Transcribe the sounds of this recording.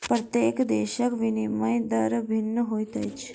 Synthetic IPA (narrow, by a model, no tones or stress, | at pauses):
pɾɐt̪jekd̪eːɕəkʋinimɐjd̪əɾbʱinːəɦojt̪ə̰jt͡ʃ